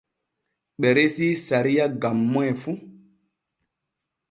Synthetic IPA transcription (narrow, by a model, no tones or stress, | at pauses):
ɓɛɾesisaɾiaɡamːɔɛfu